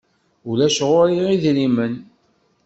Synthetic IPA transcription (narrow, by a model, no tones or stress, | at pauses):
ulæʃʁʊɾiʁiðlimən